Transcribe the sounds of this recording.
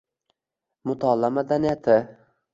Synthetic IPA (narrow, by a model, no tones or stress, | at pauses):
mʊt̪ʰɒlːamad̪anɪjat̪ʰɪ